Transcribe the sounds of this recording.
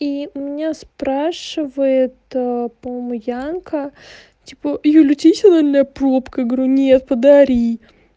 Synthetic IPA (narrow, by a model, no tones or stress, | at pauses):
imʲɪnʲaspɾaʂɨvəjɪt̪apɐmomʊjankə | tʲipəjolʲʊtʲisʲd̪ɐvolʲnəjəpɾopkəjaɡəɐɾʲunʲet̪̚pəd̪ɐɾʲi